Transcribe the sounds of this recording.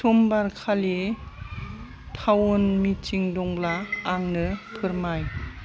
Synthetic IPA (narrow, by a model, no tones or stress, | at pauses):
tʰumbaɾkʰali | tʰawunmit͡ʃiŋdɔŋblaːŋnɯpʰɯɾmaj